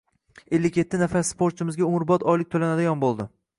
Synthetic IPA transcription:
e̞lːɪkʲjet̪ʰːɪnafasspʰoɾt̪t͡ʃʰɪmɪzɡʲaʊmʊɾbɒt̪ʰɒjlɪk̚ʲt̪ʰolanad̪ajɒnbolˠd̪ɪ

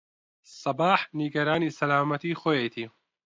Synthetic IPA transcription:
sɐbaːħniɡɐɾaːniːsɐlaːmɐt̪iːxoːjejt̪ʰiː

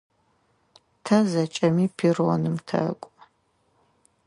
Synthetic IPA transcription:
tʰɐzɐt͡ʃʼɐmiːpʰironɨmtʰɐ̰kʷʼ

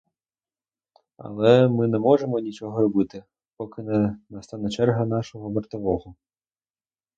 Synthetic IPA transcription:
ɐ̰lˠɛmɨnɛmɔʐɛmɔnʲit͡ʃɔɦɔɾɔbɨt̪ɪ | pɔkɪnɛnɐst̪anɐt͡ʃɛrɦɐnaʂɔɣɔʋɐrt̪ɐʋɔɣɔ

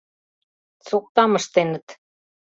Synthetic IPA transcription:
t͡sok̚t̪ɑmɤ̆ʃt̪enə̆t̪

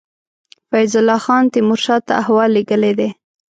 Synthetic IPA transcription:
fajzʊlːɑxɑnt̪ɪmʊɾʃɑt̪ːa̰ahwɑlːeɡəled̪e

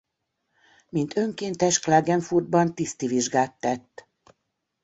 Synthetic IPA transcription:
mint̪ø̞ŋkeːnt̪ɛʃklaːɡɛɱfurd̪̚bɒnt̪ist̪iviʒɡaːt̪ːɛt̪ː

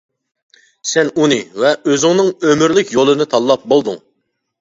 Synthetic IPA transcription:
sɛnunɨvɛøzɪŋnɨŋømyɾlɪkʲjolˠɨnɨt̪ʰɑlˠːɑp̚bolˠd̪uŋ

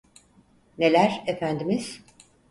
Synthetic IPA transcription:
ne̞lʲæɾefænd̪imiz̥

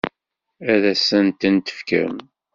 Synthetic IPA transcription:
æðæsənt̪ənt̪ə̥fkə̰ɾə̰m

